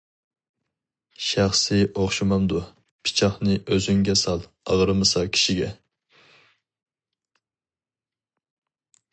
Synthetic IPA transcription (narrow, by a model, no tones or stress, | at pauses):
ʃæχsɪʔoχʃimɑmd̪u | pʰi̥t͡ʃʰɑχnɨʔøzyŋɡʲɛsɑlˠ | ɑ̰ʁəɾɨmɨsɑkʲʰi̥ʃiɡʲɛ